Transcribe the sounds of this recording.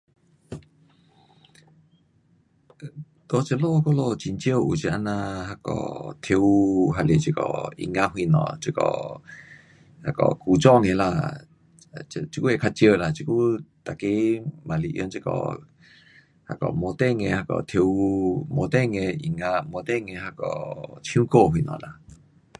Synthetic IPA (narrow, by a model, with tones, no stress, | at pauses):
t̪o˧t͡ɕə˧˨lo˥˧˨kɔ˥˧lo˥˧t͡ɕi˧nt͡ɕə˥˧˨u˨˩t͡ɕi˧ʔa˧˥nã˧ha˧kɔ̰˧˩t̪ʰi˧wɦa˧le˨˩t͡ɕi˧˩kɔ̰˧˩ḭ˧˨ŋa˧ɦwi˧˨nɔ̰˨˩t͡ɕi˧kɔ̰˧˩ | ha˧kɔ̰˧˩ku˨t͡ɕɔ˥˧˨ŋe˧˨la̰˧˨˧ | t͡ɕi˧ku˦e˨˧kʰa˧t͡ɕjə˧la˨t͡ɕi˧ku˦t̪a˨ke˦mã˨lḭ˨ʔj̰nt͡ʃi˧kɔ̰˧˩ | ha˧kɔ̰˨mo˧t̪ɛ˥˧ŋe˧˨ha˧kɔ̰˨t̪ʰi˧wmo˧t̪ɛ˥˧˨ŋe˧ʔi˨ŋã˧mo˧t̪ɛ˥˧˨ŋe˧˨ɦa˧kɔ̰˧˩t͡ɕʰĩ˧˦ko˥˧˨hwi˧˨nɔ̰̃˨la̰˧˩